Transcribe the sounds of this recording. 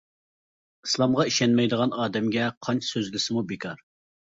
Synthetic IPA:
islˠɑmʁɑiʃɛnmɛjd̪əʁɑnɑːd̪ɛmɡʲɛqʰɑnt͡ʃʰsøzlɪsɪmubɪkʲʰɑɾ

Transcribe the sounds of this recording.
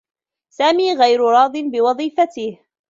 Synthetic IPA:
saːmiːɣajɾʊɾˤɑːd̪ˤɪnbɪwɑðˤiːfat̪ɪh

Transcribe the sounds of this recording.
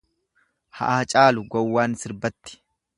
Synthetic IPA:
hɐ̰ʔaːt͡ʃʼaːlʊɡɔwːaːnsɪɾbɐt̪ːɪ̥

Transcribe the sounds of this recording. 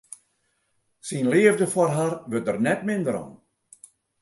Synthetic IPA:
sinlɪːəvdəfwɔrɦarʋøt̚ərnɛtmɪndəɾɔ̰n

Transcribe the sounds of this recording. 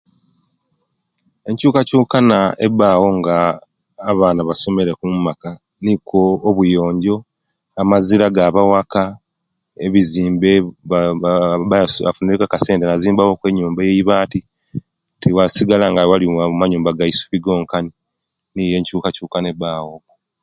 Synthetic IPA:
e̞ɲcuːkacuːkanaḛbaːwo̞ŋɡaː | βaːnaβaso̞me̞ɾekummaka | nikʰoːβujo̞ːɲɟo̞ | amaziɾaɡaβawaka | eβiziːmbe | a̰funeekakase̞ːntenaziːmbawokwe̞ɲːuːmbajeiβaːti | tʰiwasiɡalaŋɡawalimaɲuːmbaɡaisu̥βiɡo̞ːŋkani | nije̞ːɲcuːkacuːkane̞baːwo

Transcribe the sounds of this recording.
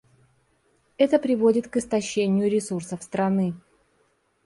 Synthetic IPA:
ɛt̪əpɾʲɪvodʲɪt̪kɨst̪ɐɕːenʲɪjʊɾʲɪsursəfst̪ɾɐnɨ

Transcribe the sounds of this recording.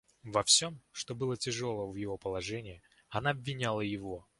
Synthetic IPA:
vɐfsʲo̞mʂt̪o̞bɨlˠətʲɪʐo̞lˠəvjɪvo̞pəlˠɐʐɛnʲɪɪ | ɐnaɐbvʲɪnʲalˠəjɪvo̞

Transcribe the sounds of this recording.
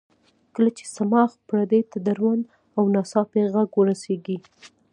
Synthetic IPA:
kəlat͡ʃe̥samɑxpɾad̪et̪ad̪aɾwand̪ | awnɑsɑpeɣaɡwəɾaseɡi

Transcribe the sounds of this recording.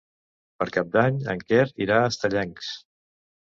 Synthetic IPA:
pəɾkap̚d̪aɲə̰ŋkɛɾiɾaəst̪əʎɛŋks

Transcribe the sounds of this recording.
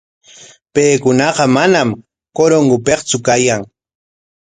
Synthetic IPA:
pejkʊnɑqɑmanam | koɾoŋɡʊpeqt͡sʊkajaŋ

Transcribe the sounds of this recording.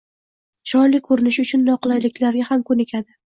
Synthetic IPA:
t͡ʃʰɒnlɪkʰːɵɾɪnɪʃʊt͡ʃʰʊnːɒqɨlˠajlɪkʲlaɾɡʲahamkʰʊnɪkʲʰad̪ɪ

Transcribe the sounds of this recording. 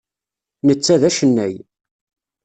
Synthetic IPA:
nət͡sːæðæʃənːæj

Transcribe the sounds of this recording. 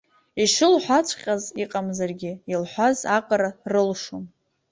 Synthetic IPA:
iʂɨlħʷat͡ʃʷʰqʲʼaziqʼamzarɡʲɪilħʷazaqʼaɾarɨlʂom

